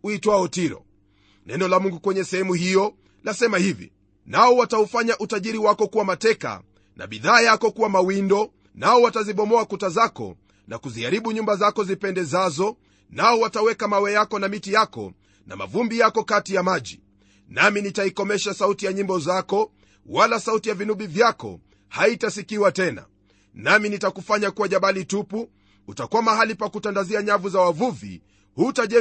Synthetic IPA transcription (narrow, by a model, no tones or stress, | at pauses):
uitwaɔtiɾɔ̰ | nɛnɔlamuŋɡukwɛɲɛsɛhɛmuhijɔ | lasɛmahivḭ | naɔwataufaɲaʔutaʄiɾiwakɔkuwamatɛka̰ | nʔa̰ɓiðaːjakɔkuwamawindɔ | naɔwataziɓɔmɔakutazakɔ̰ | nakuziaɾiɓuɲumbazakɔzipɛndɛzazɔ | naɔwatawɛkamawɛjakɔnamitijakɔ̰ | na̰ma̰vumbijakɔkatijamaʄḭ | naminitaikɔmɛʃasautijaɲimbɔzakɔ | walasautijavinuɓivjakɔ̰ | haitasikiwatɛna̰ | naminitakufaɲakuwaʄaɓalitupu | utakuwamaɦalipakutandaziaɲavuzawavuvḭ | hutaʄɛ